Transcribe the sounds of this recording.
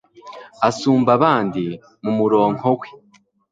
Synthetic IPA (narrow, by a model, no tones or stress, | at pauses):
asuːmbaβaːndi | mumuɾoːŋ̥oɡwi̥